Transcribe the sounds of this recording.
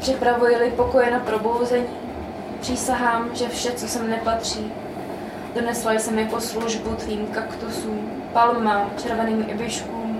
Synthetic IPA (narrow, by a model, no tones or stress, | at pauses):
pr̥ɪpɾavujɪlɪpo̞ko̞jɛnapɾo̞bo̞wzɛɲiː | pr̥iːsaɦaːmʒɛfʃɛt͡sosɛmnɛpat̪r̝̥iː | d̥onɛslajsɛmjako̞sluʒbut̪viːmkakt̪usuːm | palmat͡ʃɛɾvɛniːmʔɪbɪʃkuːm